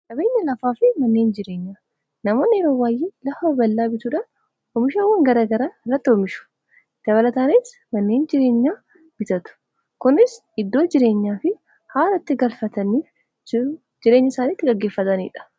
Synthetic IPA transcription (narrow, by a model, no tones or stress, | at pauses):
kʼɐbe̞ːɲːɐlɐfaːfɪmɐnːe̞ːnd͡ʒɪɾe̞ːɲːaː | nɐmo̞ːnːɪɛɾoːwaːjiːlɐfɐbɐlːaːbɪt̪ʊᶑɐ | hɔmɪʃɐwːɐŋɡɐɾaːɡɐɾɐɪrːɐt̪ːɪɔmɪʃʊ̥ | d̪̥ɐβɐlɐt̪aːniːs | mɐnːe̞ːnd͡ʒɪɾe̞ːɲːaː | b̥ɪt̪ɐt̪ʊ̥ | kʊnɪs | ɪd̪ːo̞ːd͡ʒɪɾe̞ːɲːaːfɪ | haːlɐt̪ːɪɡɐlfɐt̪ɐniːf | d͡ʒɪɾe̞ːɲːɐsaːniːt̪ːɪɡɐɡːe̞ːfːɐt̪ɐnḭːᶑɐ̥